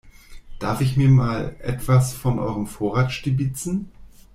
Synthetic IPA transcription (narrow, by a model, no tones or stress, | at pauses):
d̥aɐfɪçmiːɐmaːlʔɛ̰tv̥asfɔnʔɔ̰ʏʁəmfoːɐʁaːt͡sʃtibɪt͡sn̩